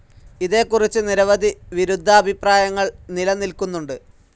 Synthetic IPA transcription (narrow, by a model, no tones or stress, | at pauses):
iðe̞ːkːurit͡ɕːɨniɾɐʋɐd̪ʱiʋiɾud̪ʱːɐːbʱipraːjɐŋːɐɭnilɐnilkunːuɳɖɨ